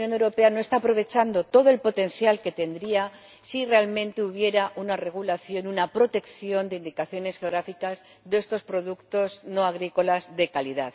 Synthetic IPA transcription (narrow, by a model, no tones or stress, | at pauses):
jo̞newɾo̞pe̞ano̞e̞st̪aːpɾo̞βe̞t͡ʃand̪o̞t̪o̞ðoe̞lpo̞t̪e̞nθjalke̞t̪e̞nd̪ɾia | sire̞almẽ̞nt̪e̞uβ̞je̞ɾaʔunare̞ɣ̞ulaθjo̞nunapɾo̞t̪e̞kθjo̞nd̪e̞ind̪ikaθjo̞ne̞sxeo̞ɣ̞ɾafikaz | ðe̞st̪o̞spɾo̞ðukt̪o̞zno̞aɣ̞ɾiko̞lazðe̞kaliðað